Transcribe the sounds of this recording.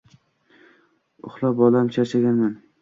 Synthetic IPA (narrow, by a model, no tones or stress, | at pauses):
ʊχlˠabɒlamt͡ʃʰaʃaɡʲanman